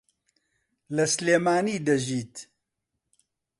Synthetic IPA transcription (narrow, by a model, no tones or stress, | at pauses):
lɐsleːmaːniːd̪ɐʒiːt̪